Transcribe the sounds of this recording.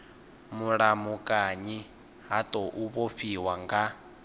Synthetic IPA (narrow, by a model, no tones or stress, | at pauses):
muɺamukʼaɲi | ɦat̪ʼoʔuβoɸiwaŋɡa